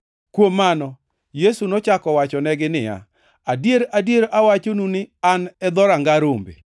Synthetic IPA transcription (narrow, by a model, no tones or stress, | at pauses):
kwomːanɔ | jesunɔt͡ʃakɔwat͡ʃɔnɛɡɪnɪja̰ | adjeɾadjeɾʔawat͡ʃonunɪanɛd̪ɔɾaŋɡaɾombḛ